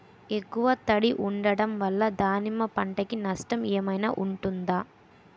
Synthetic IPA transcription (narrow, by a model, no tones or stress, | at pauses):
ekːuʋɐt̪ɐɽiʔuɳɖɐɽɐmʋɐlːɐd̪aːnimɐpɐɳʈɐkinɐʂʈɐmɛːmɐjna̰ːʔuɳʈund̪aː